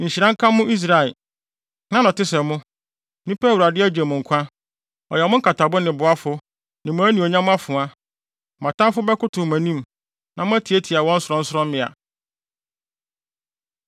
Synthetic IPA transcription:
ɲ̩˨ɕi˨ɾã˦ŋ̩˦kʰã˦mːʊ̃˦ʔi˦s̬ɾa˨ɪ˨ | nã˦nɔ̃˨tɪ˦sɛ˨mʊ̃˦ | nũ˦pʰɛ˦˨wu˨ɾa˨dɪ˦æ˦d͡ʑɛ˨mʊ̃˨ŋ̩˨kʷʰã˦ | ɔ̰˨jɛ˨mʊ̃˦kʰa˨tʰa˨bʊ˦nɪ̃˨bʊ˨a˦fʊ˦ | nɪ̃˨mʊ̃˨˦æ˦nĩ˨ɔ˨ɲã˦mʊ̃˦a˦fʊ̃˨a˦˨ | mã˨tʰã˦mfʊ˦bɛ˦kʊ˦tʰʊ˨mæ̃˨nĩ˦m | nã˨m˦æ˦tʰi˨e˦tʰi˨a˨wɔ̃˦n̩˦sɾɔ̃˦n̩˦sʊ˦ɾɔ̃˦m˦mɪ̃˨a̰˨

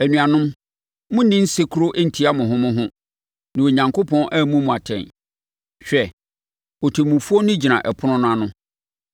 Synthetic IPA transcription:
æ˨nũ˨a˨nʊ̃˦m | mʊ̃˦nĩ˦n̩˦se˦kʰu˦ɾo˦ʔɛ˦n̩˨tʰi˦a˦mʊ̃˨ɦʊ̃˦mʊ̃˦ɦʊ̃˦ | nã˨o˨ɲã˨ŋko˦pʰɔ̃˦nʔæ˦˨mũ˦mʊ̃˨a˨tʰɛ̰̃˨n | ɕᶣɛ˨ | o˨tʰe˨mũ˨fu˦o˦nʊ̃˦d͡ʑi˨nã̰˨ʔɛ˨pʰʊ˦nʊ̃˦nʊ̃˦a˨nʊ̃˦

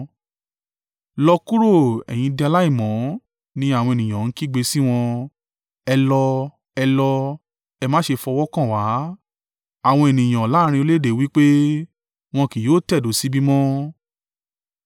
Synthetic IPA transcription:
lɔ˧ku˦ɾo˦˨ɛ̰˨j̃ĩ˧dɛ˧a˧la˦i˦˨mɔ̃˨˦ | nĩ˧˦a˦˨w̃ɔ̃˧e˨nĩ˨j̃ã˨n̩˦ki˦˨ɡ͡be˧si˦w̃ɔ̃˧ | ɛ˧lɔ˧ | ɛ˧lɔ˧ | ɛ˧mãː˦ʃe˧fɔ˧wɔ˦kã˦˨wa˨˦ | a˦˨w̃ɔ̃˧e˨nĩ˨j̃ã˨la˦ɾ̃ĩ˧o˧le˦de˨wi˦k͡pe˦ | w̃ɔ̃˧ki˨joː˨˦tɛ˦˨do˨˦si˦bi˦mɔ̃˦

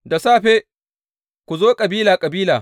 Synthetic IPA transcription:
da˨saː˦ɸeː˦ | kʷu˨zoː˦kʼɐ˨biː˦laː˨kʼɐ˨biː˦laː˨

